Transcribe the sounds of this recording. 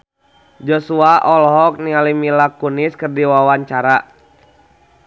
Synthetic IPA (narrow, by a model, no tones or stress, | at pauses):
d͡ʒɔsuaʔɔlɦɔk̚nialimilakuniskɨrdiwawaɲt͡ʃaɾa